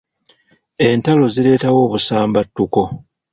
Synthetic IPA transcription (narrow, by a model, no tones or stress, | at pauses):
e̞ntalo̞ziɾe̞ːtawo̞ːβusaːmbatːuko̞